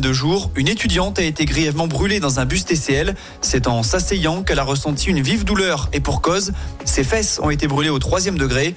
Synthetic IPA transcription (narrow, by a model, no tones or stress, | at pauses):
d̪əʒuːʁynet̪yd̪jɑ̃t̪aet̪eɡʁijɛvmɑ̃bʁyled̪ɑ̃zɛ̃bys̬t̪eseɛl | sɛt̪ɑ̃sasejɑ̃kɛlaʁəsɑ̃t̪ʰiynvivd̪ulœʁepuʁkɔzsefɛsɔ̰̃et̪ebʁyleot̪χwazjɛmd̪əɡʁe